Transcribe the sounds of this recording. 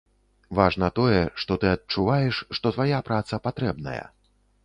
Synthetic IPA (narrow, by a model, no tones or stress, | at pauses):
vaʐnɐt̪ɔjɛʂt̪ɔt̪ɨɐt̚t͡ʂuvajɛʂːt̪ɔt̪vajapɾat̪sɐpat̪ɾɛbnɐ̰jɐ̰